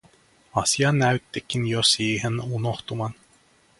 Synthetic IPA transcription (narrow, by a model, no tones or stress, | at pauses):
ɑsiɑnæyt̪ːekːinjosiːɦenunoxt̪umɑn